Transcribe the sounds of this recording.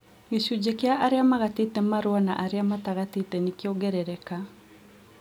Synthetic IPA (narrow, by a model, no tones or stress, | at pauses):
ɡeʃud͡ʑekeaʔaɾeamaɣatetɛmaɾwana̰ʔaɾeamataɣatetɛnikeɔɡɛɾɛɾɛka